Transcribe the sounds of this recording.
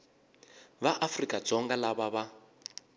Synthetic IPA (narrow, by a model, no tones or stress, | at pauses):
βaʔafrikʼat͡sɔŋɡalaβaβa